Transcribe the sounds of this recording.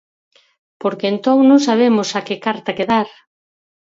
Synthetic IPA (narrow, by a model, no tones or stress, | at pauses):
poɾkeːnt̪oŋnõŋsaβ̞emosakekaɾt̪ɐkeðaɾ